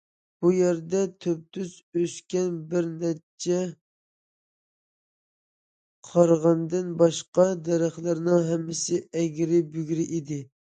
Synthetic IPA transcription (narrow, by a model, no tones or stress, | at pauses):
b̥ujɛɾd̪ɛt̪ʰøp̚t̪ʰyz | øskʲɛnbɪɾnɛt͡ʃʰːɛ | qʰɑɾʁɑnd̪ɪnbɑʃqɑd̪ɛɾæχlɪɾnɪŋɦɛmːɪsɪɛɡʲɾɪbyɡʲɾɪʔid̪ɪ